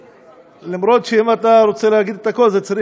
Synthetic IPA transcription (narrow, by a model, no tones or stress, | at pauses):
lamɾo̞t̪ʃeimat̪aɾo̞t͡seleaɡid̪et̪ako̞lzet͡saɾi